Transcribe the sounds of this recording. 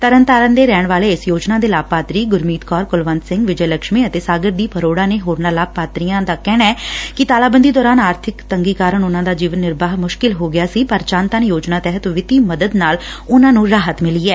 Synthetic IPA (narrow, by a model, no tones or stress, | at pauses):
t̪əɾənt̪aːɾənd̪eːɾɛːɳ̃ʋaːleːɪsjoːd͡ʒnaːd̪eːlaːb̚pːaːt̪ɾiːɡʊɾmiːt̪kɔːɾkʊlʋənd̪sɪ̃ŋɡʋɪd͡ʒələkʃmĩːət̪eːsaːɡəɾd̪iːpʰəɾoːɽãːneːɦoːɾnaːlaːbpaːt̪ɾijãːd̪aːkɛːɽ̃aɛːkɪt̪aːlaːbənd̪iːd̪ɔːɾaːnaːɾt̪ʰɪkt̪əŋɡiːkaːɾəɳʊnãːd̪aːd͡ʒiːʋənːɪɾbaːɦmʊʃkɪlɦoːɡɪjaːsiːpəɾt͡ʃãːnt̪aːnjoːd͡ʒnaːt̪ɛːɦət̪ʋɪt̪iːməd̪əd̪naːlʊnãːnũːɾaːɦət̪mɪliːɛː